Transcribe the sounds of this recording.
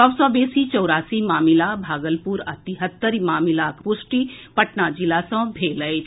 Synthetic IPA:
sɔbsɔːbeːsit͡ʃɔːɾaːsimaːmɪlabʱaːɡəlpuɾɐt̪iɦət̪ːəɾimaːmɪlakpʊsʈipɐʈnad͡ʒilasɔ̃bʱeːləj

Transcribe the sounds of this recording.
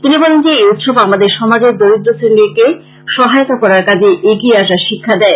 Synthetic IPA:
t̪inibɔlend͡ʑeejut̪ʃobamad̪eɾʃɔmad͡ʑeɾd̪oid̪ɾoseɾnnike | ʃɔɦajot̪akɔɾaɾkad͡ʑeʔeɡieaʃaɾʃikʰːad̪ɛe

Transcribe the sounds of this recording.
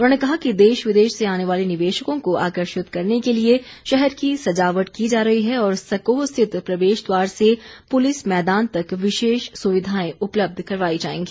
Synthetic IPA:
ʊnõːnekɐɦakid̪eːʃʋɪd̪eːʃseaːneʋaːlenɪʋeːʃəkõkoa̰ːkəɾʃɪt̪kɐɾnekelie | ʃɛɦɛɾkisɐd͡ʒaːʋəʈkid͡ʒaːɾɐɦiɦɛɔːɾsɐkoːɦst̪ʰɪt̪pɾɐd̪eːʃd̪waːɾsepʊlɪsmɛːd̪aːnt̪ɐkʋɪʃeːʃsʊʋɪd̪ʱaːẽʊpləb̚d̪ʱkɐɾʋaːid͡ʒaːḛ̃ːŋɡiː

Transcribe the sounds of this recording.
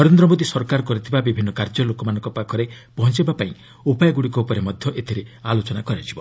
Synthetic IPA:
nɔɾend̪ɾɔmod̪isɔɾkaɾɔkɔɾit̪ʰibabibʱinːɔkaɾd͡ʒɔlokɔmanɔ̃ŋkɔpakʰɔɾe | pɔɦɔnt͡ʃibapaĩ | upajɔɡuɽikɔupɔɾemɔd̪ʱjɔʔet̪ʰiɾealot͡ʃɔnakɔɾad͡ʒʰibɔ

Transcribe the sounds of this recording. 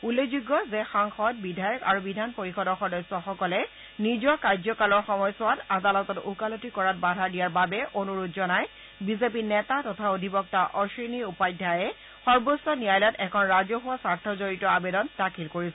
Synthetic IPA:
ulːekzuɡːɔzɛxaŋxɔtbidʱajɔkaɹubidʱanpoɹixɔdɔxɔdɔjsɔxɔkɔlɛ | nizɔkaɹzɔkalɔɹxɔmɔjsʊwatadalɔtɔtukalotikɔɹat̚badʱadijaɹbabɛʔonuɹutzɔnaj | bizepinɛtatɔtʰaodʱibɔk̚taʔɔɹsiniupajdʱajɛ | xɔɹbosːɔnijajlatɛkʰɔnɹazɔɦʊwasaɹtʰɔzoɹitɔabedɔnd̥akʰilkoɹisɛ

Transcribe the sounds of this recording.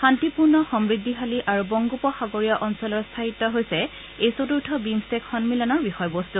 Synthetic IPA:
xantipuɹnɔxɔmɹid̪ʱːixaliʔaɹubɔŋɡupɔxaɡoɹijaʔɔnsɔlɔɹst̪ʰaɦitːɔɦojsɛ | ejsotuɹtʰɔbimstɛkxɔnmilɔnɔɹbixɔjbostu

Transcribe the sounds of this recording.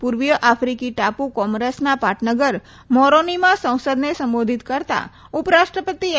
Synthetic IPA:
puɾʋjəʔafɾikiʈapukɔ̃ŋɾesnapaʈʰnəɡəɾ | mɔɾonimãsə̃w̃səd̪nesə̃mbod̪ʱit̪kəɾt̪a̰ | upɾaʃʈɾəpət̪i

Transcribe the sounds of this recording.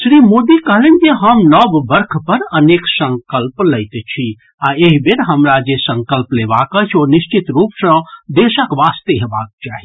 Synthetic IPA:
sɾimod̪ikəɦlend͡ʒeɦəmnəbːəɾkʰpəɾəneksə̃ŋkəlpləɪt̪t͡ʃʰi | aeɦibeɾɦəmɾad͡ʒesə̃ŋkəlplebakət͡ʃʰoniʃt͡ʃit̪ɾupsə̃d̪esəkʋast̪eɦebak̚t͡ʃaɦi

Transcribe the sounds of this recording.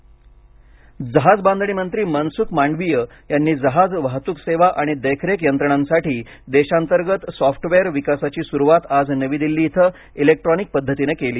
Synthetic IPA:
d͡zəɦad͡zband̪ʱɳiːmənt̪ɾiːmənsukmaɳɖʋijə | janːiːd͡zəɦad͡zʋaɦt̪uːkseʋaʔaɽ̃id̪əjkʰɾekjənt̪ɾəɳ̃ãnsaʈiː | d̪eɕant̪əɾɡət̪sɔfʈʋeəɾʋikasat͡ɕiːsuɾuʋat̪ad͡znəʋiːd̪ilːiːt̪ʰə | ilek̚ʈɾɔnik̚pəd̪ʱːət̪inekeliː

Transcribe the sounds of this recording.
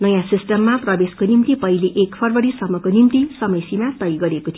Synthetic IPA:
nʌjãsisʈʌmːaprʌbeskonimt̪ipʌileʔekpʰʌrbʌɽisʌmːʌkonimt̪isʌmʌjsimat̪ʌjɡʌɾekot̪ʰi

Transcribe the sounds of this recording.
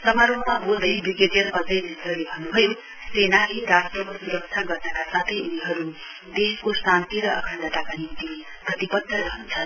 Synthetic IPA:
sʌmaɾoɦmabold̪ʌjbiɡeteɾʌpʌd͡zʌjnʱitʌrlebʱʌnːubʱʌjo | senaleɾasʈrʌkosuɾʌk̚t͡ʃʰaɡʌrnʌkasat̪ʰʌjuniɦʌɾu | d̪eskosant̪iɾʌʌ̰kʰʌnd̪ʱʌt̪akanint̪i | d̪ʱʌt̪ipʌd̪ːʌɾʌɦunt͡sʰʌn

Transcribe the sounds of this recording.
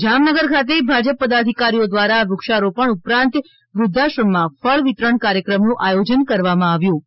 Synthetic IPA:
d͡ʒamnəɡəɾkʰat̪̬ebʱad͡ʒəpːəd̪ad̪ʱikaɾijod̪ʋaɾaʋʊkʃaɾopəɳupɾãnt̪ | ʋɾʊd̪ʱːaʃəɳmãfəɭʋit̪ɾəɳkaɾjəkɾəmnũʔajod͡ʒənkəɾʋamãaʋjũ

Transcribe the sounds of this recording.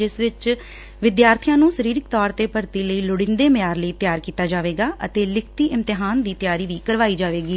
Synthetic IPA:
d͡ʒɪsʋɪt͡ʃ | ʋɪd̪jaːɾt̪ʰijãːnũːsəɾiːɾɪkt̪ɔːɾt̪eːpəɾt̪iːləiːlʊɽɪ̃nd̪eːmɪjaːɾləiːt̪jaːɾkiːt̪aːd͡ʒaːʋeːɡaːʔət̪eːlɪkʰt̪iːʔɪmt̪ɪɦaːnd̪iːt̪ɪjaːɾiːʋiːkəɾʋaːiːd͡ʒaːʋeːɡiː

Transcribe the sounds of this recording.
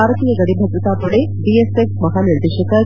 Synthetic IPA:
aɾt̪ijəɡəɽibʱəd̪ɾut̪apuɽe | ɖieseksmɐɦaniɾd̪eɕəka

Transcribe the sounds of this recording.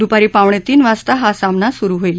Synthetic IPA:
d̪upaɾiːpaʋɳet̪iːnʋast̪aɦasamnasuɾuɦojl

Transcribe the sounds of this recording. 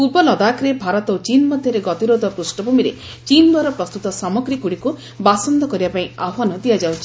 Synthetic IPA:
pubɔlɔd̪akɾebʱaɾɔt̪ɔot͡ʃinmɔd̪ʱjɔɾeɡɔt̪iɾod̪ʱɔpɾusʈɔbumiɾe | t͡ʃind̪ʱaɾɔpɾɔst̪ut̪ɔsamɔɡɾikuɽiku | basɔnd̪ɔkɔɾibapaĩaɦɔnɔd̪ijad͡ʒawt͡ʃʰi

